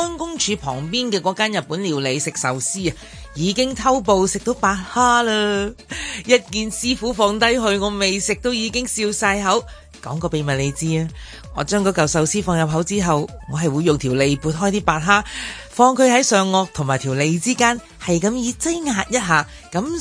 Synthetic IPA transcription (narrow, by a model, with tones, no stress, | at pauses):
ɔː˥nkʊ˥ŋt͡ʃʰyː˨˧pʰɔ̰ː˨˩ŋpiː˥nkɛː˧kɔː˨˧˥kaː˥njɐ˨t̚pːuː˨˥nliː˨˩wle˨˧jsɪ˨k̚sɐ˨wsiː˥ɐ˨ | jiː˨˧kɪ˥ŋt̪ʰɐ˥wp̬o˨˧wsɪ˨k̚t̪o˨˥wpaː˧t̚haː˥lɐː˧ | jɐ˥t̚kiː˨nsiː˥fuː˨˥fɔː˧ŋt̪ɐ˥jɦɵ˧ɥŋɔː˨˧me˨jsɪ˨k̚t̪o˥wjiː˨˧kɪ˥ŋsiː˧wsaː˧jɦɐ˨˥w | kɔ̰ː˨˥ŋkɔː˧pe˨˧jmɐ˨t̚le˨˧jt͡siː˥aː˧ | ŋɔː˨˧t͡ʃœː˥ŋkɔː˨˥kɐ˨wsɐ˨wsiː˥fɔː˧ŋjɐ˨p̚ɦɐ˨˥wt͡siː˥ɦɐ˨wŋɔː˨˧ɦɐ˨jwu˨˧jːʊ˨ŋt̪ʰiː˨˩wle˨˧jpuː˨˧t̚ɦɔː˥jt̪ʰiː˥paː˧t̚ɦaː˥fɔː˧ŋkʰɵ˨˧ɥɦɐ˨˥jsœː˨ŋːɔː˧k̚t̪ʰʊ˨ŋmaː˨˩jt̪ʰiː˨˩wle˨˧jt͡siː˥kaː˥n | hɐ˨jkɐ˨˧mjiː˨˧t͡sa˥jŋaː˧t̚jɐ˥t̚ɦaː˨˧ | kɐ˨˥m